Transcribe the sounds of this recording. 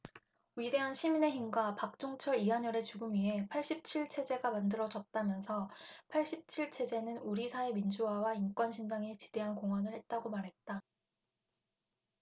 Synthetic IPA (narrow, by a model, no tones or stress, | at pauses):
ɥide̞ɦanɕʰimine̞ɦimɡwapak̚t͡ɕ͈oŋt͡ɕʰʌɾiɦaɲʌɾe̞t͡ɕuɡɯmɥiɦe̞pʰaɭɕ͈ip̚t͡ɕʰiɭt͡ɕʰe̞d͡ʑe̞ɡamandɯɾʌd͡ʑʌt̚t͈amjʌnsʰʌpʰaɭɕ͈ip̚t͡ɕʰiɭt͡ɕʰe̞d͡ʑe̞nɯnuɾisʰae̞mind͡ʑuɦawaink͈wʌnɕʰind͡ʑaŋet͡ɕi̥d̥e̞ɦankoŋwanɯɭhe̞t̚t͈aɡomaɾɦe̞t̚t͈a